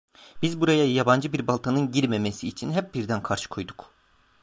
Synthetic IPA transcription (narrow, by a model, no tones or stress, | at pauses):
b̥izbuɾajajaband͡ʒɯbiɾbalˠt̪ʰanɯnɟiɾmemesiːt͡ʃʰinɦɛp̚biɾd̪ænkʰaɾʃɯ̥kʰo̞jd̪uk